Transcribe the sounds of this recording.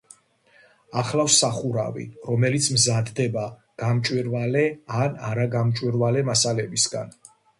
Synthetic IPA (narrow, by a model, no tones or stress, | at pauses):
aχlafsaχuɾa̰vḭɾɔmɛlit̪sʰmzad̪d̪ɛba | ɡ̥amt͡ʃʼwiɾvalɛanaɾaɡamt͡ʃʼwiɾvalɛmasalɛbisɡa̰n